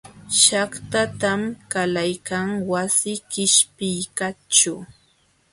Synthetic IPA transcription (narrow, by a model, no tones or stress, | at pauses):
ʃakt̪at̪amkalajkaŋwasɪkɪʃpɪjkat͡ʃʊ